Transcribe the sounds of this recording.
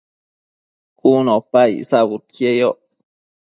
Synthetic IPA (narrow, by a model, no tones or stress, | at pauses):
kunopaj̰saβut̪̚kjejoʔ